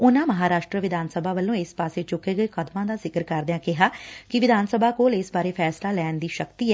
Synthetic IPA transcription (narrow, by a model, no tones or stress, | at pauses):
ʊnãːməɦaːɾaːʃʈɾəʋɪd̪ʱaːnsəbʱaːʋəlːõːɪspaːseːt͡ʃʊkːeːɡəeːkəd̪mãːd̪aːzɪkəɾkəɾd̪eãːkɪɦaːkɪʋɪd̪ʱaːnsəbʱaːkoːlesbaːɾeːpʰɛːslaːlɛːnd̪iːʃəkt̪iːɛː